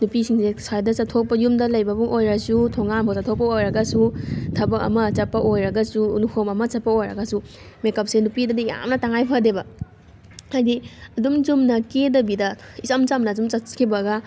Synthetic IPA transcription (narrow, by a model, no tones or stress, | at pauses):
nupisiŋsesajdɐsɐtʰok̚pɐjumdɐlɐjbɐbuŋʔojɾɐsutʰoŋanbʰʱosɐtʰok̚pːɐojɾɐɡɐsutʰɐbɐkɐ̰mɐt͡ʃɐt̚pːɐʔojɾɐɡɐsunukʰomɐmɐt͡ʃɐt̚pːɐojɾɐ̰ɡɐsumekɐp̚senupidɐdija̰mnɐtaŋajpʰadebɐ | hajdiɐdumd͡ʒumnɐkedɐbidɐisɐmt͡ʃamnɐːd͡ʒumt͡ʃɐkʰibɐɡɐ